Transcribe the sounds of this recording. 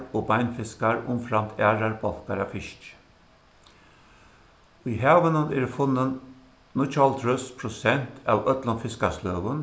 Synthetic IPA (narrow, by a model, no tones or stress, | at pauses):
oːbaɪnfɪskaɹʊ̰mfɾamt̪ʰæːɾaɹbɔlkaɾafɪʃt͡ʃ | ʊjɦæːʋənəneɾfʊnːən | nʊt͡ʃɔlt̪ʰɾœspʰɾʊsɛn̥t̪ʰæ̰ːʋœt̪lʊnfɪskasløːʋən